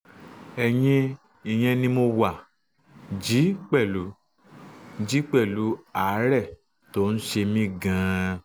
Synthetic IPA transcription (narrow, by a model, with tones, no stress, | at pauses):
ɛ˨j̃ĩ˧ | i˨j̃ɛ̃˧nĩ˧mo˧wa˨ | d͡ʒi˨˦k͡pɛ˦˨lu˨˦ | d͡ʒi˨˦k͡pɛ˦˨lu˨˦a˨˦ɾɛ˦˨ | to˦n̩˦ʃe˧mĩ˦ɡã˧